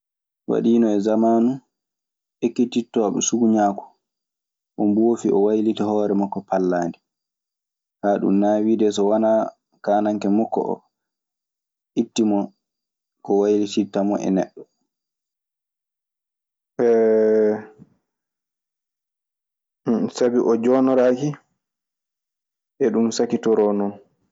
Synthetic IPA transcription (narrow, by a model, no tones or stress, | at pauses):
wa̰ɗiːnɔɛzamaːnu | ʔekːititːɔɓɛ̰suɡuɲaːku̥ | ʔɔmboːfiʔɔwajlitahɔːɾɛmɔkːɔpalːaːndi | haːɗṵmnaːwidɛsɔwanaː | kaːnaŋkɛmɔkːɔ̰ʔɔ̰ | ʔitːimɔ | kɔwajlititːamɔʔɛ̰nɛ̰ɗːɔ | ɛ | sabiʔɔd͡ʒɔːnɔɾaki | ʔɛɗumsakitɔɾɔnɔn